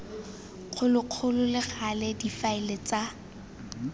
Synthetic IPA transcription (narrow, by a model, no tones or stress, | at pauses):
χʰʊlɪq͡χʰʊlʊlɪχalɛdifaɪlet͡sa